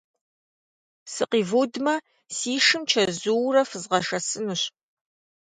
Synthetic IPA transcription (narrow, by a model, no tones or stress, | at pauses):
sɨqiːvoːdmɐ | siːʂɨmt͡ʃʰɐzuwrɐfɨzʁɐʂɐsɨnuɕ